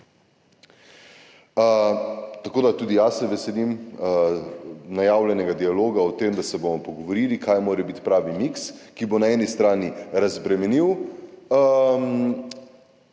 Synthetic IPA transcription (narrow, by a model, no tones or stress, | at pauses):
t̪ɐkoːd̪at̪uːd̪ijasːɛʋɛsɛlim | najaːwlʲjɛnɛɡad̪ialoːɡaɔt̪eːmd̪asɛbomɔpɔɡɔʋoɾiːlikajmoːɾɛbit̪pɾaːʋimikskibonaɛːnist̪ɾaːniɾazbɾɛmɛniw | m